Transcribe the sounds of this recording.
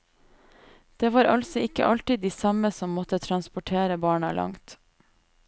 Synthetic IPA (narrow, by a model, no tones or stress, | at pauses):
d̪̥eːʋɑːɾɑlsɔɪkə̰ʔɑlt̪ɪd̪d̪iːsɑməsɔmːɔt̪ət̪ʰɾɑnspʊʈʰeːɾəbɑːɳɑlʔɑ̰ŋt̪